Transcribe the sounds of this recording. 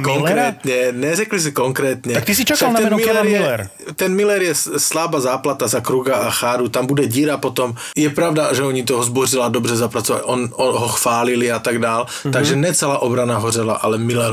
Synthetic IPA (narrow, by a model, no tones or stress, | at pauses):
kɔŋkɾɛːt̪ɲɛnɛrɛklis̬ikɔŋkɾɛːt̪ɲɛak̚t̪isit͡ʃakalnaɛɛnmilɛɾjɛlɛɾ | t̪ɛnmilɛɾjɛslabazaːplat̪azakɾuɡaaxaːɾut̪ambud̪ɛɟiːɾapɔt̪ɔm | jɛpɾaʊd̪aʒɛɔɲit̪̬ɔɦɔzbɔrilad̪ɔbrɛzapɾat͡sɔʋa̰cʔɔnɔɦɔxfaːliliat̪aɡd̪aːl | t̪aɡʒɛnɛt͡sɛlaːʔɔbɾanaɦɔrɛla̰ʔalɛmilɛɾ